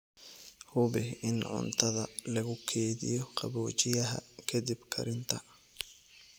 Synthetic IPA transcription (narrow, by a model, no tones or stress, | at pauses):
hʊbɪɪnʕʊ̰nt̪ʰɐðɐlɐɣʊkʰɛːðɪ̰jɔqʰɑβɔːt͡ʃɪjɐɦɐ̰kʰɐd̪ɪbkʰɐ̰ɾɪnt̪ʰɐ